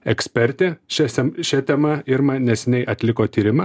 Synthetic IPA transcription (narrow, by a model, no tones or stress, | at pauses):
ɛksʲpʲɛɾʲt̪ʲɛʃʲɛsʲɛʃʲɛt̪ʲɛmɐɪɾmɐnʲɛsʲɪnʲɛɪʔɐt̪ʲlʲɪkoːt̪ʲiːɾʲɪmɐ